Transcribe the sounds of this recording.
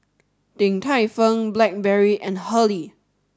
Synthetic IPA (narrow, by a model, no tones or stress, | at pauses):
d̥ɪ̃ŋtʰaɪfə̃ŋblɛk̚bɛɹiʔɛ̃nhəli